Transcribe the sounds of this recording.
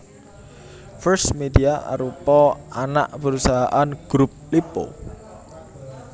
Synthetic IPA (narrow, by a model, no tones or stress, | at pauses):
fərsmediaʔa̰ɾupɔana̰ʔpəɾusaɦaʔanɡ̥ɾup̚lipo̰